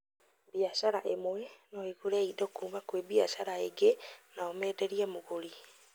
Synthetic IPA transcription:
biaʃaɾaʔemwenoiɣuɾeidokuːmakwebia̰ʃaɾaeɡenaomeːdeɾiemuɣuli

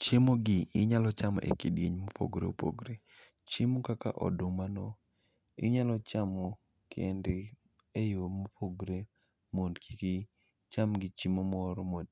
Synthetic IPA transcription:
t͡ʃemoɡɪɪɲalɔt͡ʃamɔ̰ʔḛkidjeɲmopʰo̰ɡɾḛupo̰ɡɾe | t͡ʃimokaka̰ʔɔ̰dʊmanɔ | ɪ̰ɲalɔt͡ʃamɔ | kɛnde | ejomopʰoɡɾe | mondkʰikɪ | t͡ʃamɡɪt͡ʃimomɔɾomod

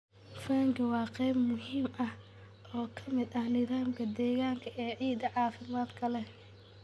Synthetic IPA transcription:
faːŋɡʰɐwɑːqɛːjbmʊɦiːmʔɐh | ʔɔːkʰɐmɪd̪ɐhnɪðaːmkʰɐd̪ɛːɣaːŋkʰɐʔɛːʕiːd̪ɐʕɑːfɪmaːd̪kʰɐlɛh

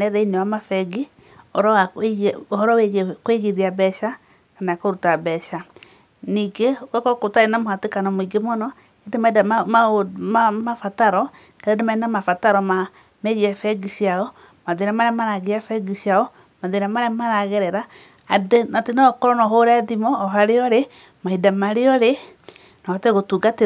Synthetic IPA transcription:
nɛðɛinewamafɛɡi | ɔɾɔaohɔɾɔweɣekoeɣeðiabɛʃa | kanaakoɾutaβɛʃa | niɡewɛkɔkoutaenamohatekanɔmoiɡemɔnɔ | edemaeda | mamafataɾɔ | kɛɾɛdemainamafataɾɔma | mɛɣiafɛɡiʃiaɔ | maðeɾamaɾɛmaɾaɣeafɛɡiʃiaɔ | maðeɾamaɾɛmaɾaɣeɾɛɾaː | denatenɔkɔɾɔnɔɦoɾɛðimɔːɦaɾeɔɾe | maidamaɾeɔɾe | nɔtɛɣotuːɡate

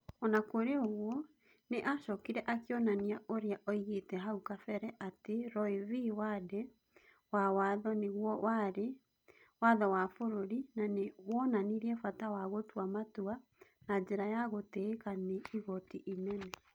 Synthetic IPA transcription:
ɔnakoɾeoɣwɔ | neʔaʃɔkiɾɛʔakeɔnaniaʔoɾeaʔɔiɣetɛɦaukafɛɾɛʔateɾɔeviwadɛ | wawaðɔneɣwɔaɾe | waðɔwafoɾoɾinanewɔnaniɾeɛfatawaɣotwamatuanad͡ʒeɾajaɣoteːkaneiɣɔtiʔinɛnɛ

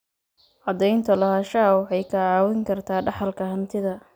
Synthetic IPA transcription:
ʕɑd̪ɛjnt̪ʰɐlɐhaːʃaːwɑħɑjkʰɐʕɑːwɪŋkʰɐrt̪ʰaːɖɑħɑlkʰɐɦɐnt̪ʰɪðɐ

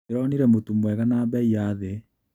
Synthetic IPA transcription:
eɾɔniɾɛmotumwɛɣanaːbɛiaðe

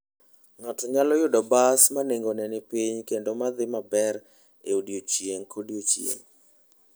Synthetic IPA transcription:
ŋatɔɲalɔjʊdɔbasmaneŋɡonɛnɪpiɲkendomad̪ɪmabɛɾ | eodjot͡ʃjeŋkʰodijot͡ʃjḛŋ

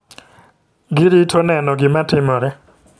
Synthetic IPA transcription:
ɡɪɾitʰonɛnɔɡɪmatɪmɔɾɛ

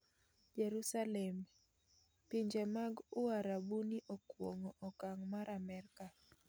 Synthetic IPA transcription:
d͡ʒeɾusalɛm | piɲd͡ʒemaɡʊaɾabuniʔokwoŋoʔɔkaŋmaɾamɛrka

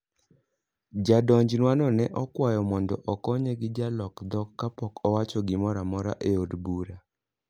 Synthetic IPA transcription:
d͡ʒadɔɲd͡ʒnwanɔnɛʔɔkwajɔmɔndɔʔɔkɔɲeɡɪd͡ʒalɔkd̪ɔkːapɔkɔwat͡ʃɔɡɪmɔɾamɔɾa̰ʔeodbuɾa

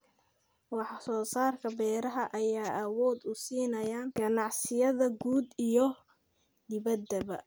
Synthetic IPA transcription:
wɑħsɔːsaːrkʰɐbɛːɾɐɦɐʔɐjaːʔɐwɔːd̪ʊsiːnɐjaːnɡɐnɑʕsɪjɐðɐɡuːd̪ijɔ | d̪ɪβɐd̪ːɐβɐ

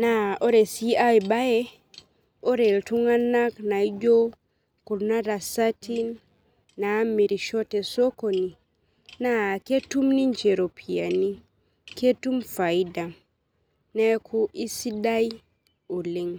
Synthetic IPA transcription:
naʔɔɾɛsiajbajɛ | ɔɾɛltuŋanːaknajd͡ʒɔ | kuɾnaɾasatinː | amiɾiʃɔtɛsokoni | naketumniɲt͡ʃɛɾopʰiani | ketumfajda | nɛkʰuʔisidaj | uliŋ

